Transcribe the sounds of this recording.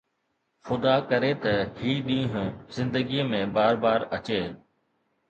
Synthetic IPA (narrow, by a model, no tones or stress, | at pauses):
xʊd̪akɐɾet̪ɐhiːɗĩːɦʊ̃zɪ̃nd̪əɡiːəmẽbaːɾbaːɾɐt͡ɕeː